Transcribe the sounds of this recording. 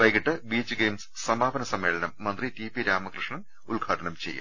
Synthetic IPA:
ʋɐjkiʈːɨbiːt͡ɕːɨɡeːms | sɐmaːbɐnɐsɐmːe̞ːɭɐnɐmːɐnd̪ritipiɾaːmɐkrɨʂɳɐn | uɭɡʱaːʈɐɳɐmt͡ɕḛjːa̰ː

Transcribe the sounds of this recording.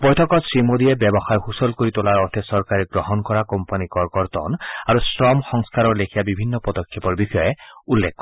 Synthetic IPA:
bɔjtʰɔkɔtsɹimod̪iɛbɛbɔxajhusɔlkoɹit̪olaɹɔɹt̪ʰɛsɔɹkaɹɛɡɹɔɦɔnkɔɹakɔmpanikɔɹkɔɹt̪ɔ̰naɹusɹɔmxɔŋskaɹɔɹlekʰijabibʱinːɔpɔd̪ɔkʰːepɔɹbixɔjeulːekːɔ

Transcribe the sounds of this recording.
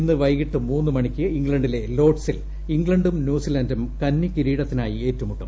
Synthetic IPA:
inːɨʋɐjɣiʈːɨmuːnːɨmɐɳikʲːɨiŋɡɭɐɳɖile̞lo̞ːʈsil | iŋɡɭɐɳɖumnjuːsilɐndumkɐnːikiɾiːɽɐt̪ːinaːjie̞ːtːumuʈːṵm

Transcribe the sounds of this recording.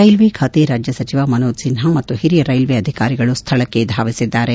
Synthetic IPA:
ɐjlʋikʰaːt̪iɾaːd͡ʒjɐsɐt͡ʃiʋaːmɐnoːd̪sinɦamɐt̪ːuɦiɾijɐɾɐjlʋiɐd̪ʱikaːɾiɡɐɭust̪ʰɐɭɐkːed̪ʱaːʋisid̪ːaːɾe

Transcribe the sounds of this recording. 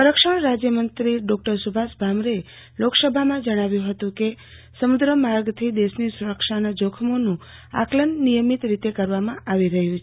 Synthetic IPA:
səɾəkʃaɳɾad͡ʒjəmənt̪ɾiɖɔk̚ʈəɾsubʱasbʱamɾe | loksəbʱamãd͡ʒəɽ̃aʋjũɦət̪ũke | səmud̪ɾəmaɾɡt̪ʰid̪eʃnisuɾəkʃanad͡ʒokʰəmonũa̰klənːijəmit̪ɾit̪ekəɾʋamãʔaʋiɾəɦjũt͡ʃʰ

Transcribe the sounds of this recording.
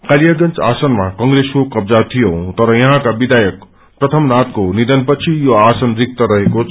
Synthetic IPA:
kaljaɡʌnt͡sa̰sənmakʌŋɡɾeskokʌbd͡zat̪ʰijõt̪ʌɾʌjʌɦãkabid̪ajʌk̚ | pɾʌt̪ʰʌmnat̪̚konid̪ʌnpʌt͡sʰijoasʌnɾik̚t̪ʌɾʌɦeko

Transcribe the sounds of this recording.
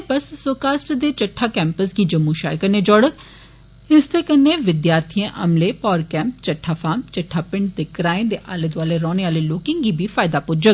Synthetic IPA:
bəsːoːkaːsʈd̪et͡ʃəʈʰːaːkɛːmpəsɡid͡ʒəmːuʃaːəɾkɐɾned͡ʒɔːɽək̚ʰ | ɪst̪ekɐnːeʋɪd̪jaːɾt̪ʰijãʔɐ̰mlepɔːɾkɛ̃ːmp̚t͡ʃɐʈʰːaːfaːmt͡ʃɐʈʰːaːpɪ̃ɳɖ̚d̪ekɾaːẽd̪eʔa̰ːləd̪ʋaːleɾɔːneaːleloːkɪ̃ŋɡɡibʱifaːɪd̪apʊd͡ʒək̚

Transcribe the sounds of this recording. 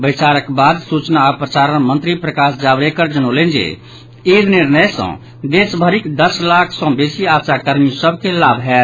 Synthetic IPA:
bəɪt͡ʃaɾəkbad̪sut͡ʃnapɾəsaɾənmənt̪ɾipɾəkasd͡ʒabɾekəɾd͡ʒənolẽnd͡ʒḛ | iɾniɾnəjsə̰̃ | d̪esbʱəɾikd̪əslakʰsɔ̃besiasakəɾmisəbʱkelabʱɦɛt̪

